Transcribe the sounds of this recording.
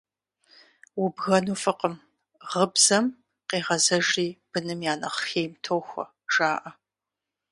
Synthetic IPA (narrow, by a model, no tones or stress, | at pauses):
wʊbɣɐnuːfɨqəm | ʁəbz̥ɐm | qeːʁɐzɐʒiːb̥ɨnɨmjaːnɐ̰χxeːjmtʰoːxʷɐ̰ | ʒaːʔɐ